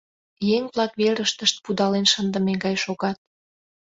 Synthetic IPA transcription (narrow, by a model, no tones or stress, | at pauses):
jeŋβlɑkβeɾəʃt̪əʃt̪̚pud̪ɑlenʃənd̪əmeɡɑjʃoɣɑt̪̚